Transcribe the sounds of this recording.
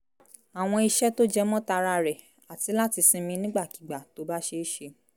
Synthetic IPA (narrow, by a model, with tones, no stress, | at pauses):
a˨w̃ɔ̃˧i˧ʃɛ˦to˦d͡ʒɛ˦mɔ̃˦ta˧ɾa˧ɾɛ˨ | a˨ti˧la˦ti˧sĩ˧mĩ˧nĩ˦ɡ͡ba˦˨ki̥˨ɡ͡ba˨to˨˧˦ba˦ʃe˧˦ʃe˧